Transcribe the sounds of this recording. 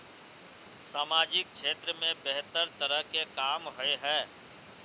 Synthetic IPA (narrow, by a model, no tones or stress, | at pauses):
saːmaːd͡ʒɪk̚ʃʰeːt̪ɾəmẽbɛɦt̪əɾt̪əɾəɦkekaːmɦoeɦɛː